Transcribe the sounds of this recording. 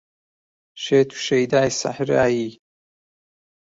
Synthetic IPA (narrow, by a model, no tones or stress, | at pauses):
ʃeːt̪ʰu̥ʃɐjd̪aːjsa̰ħɾa̰ːjiː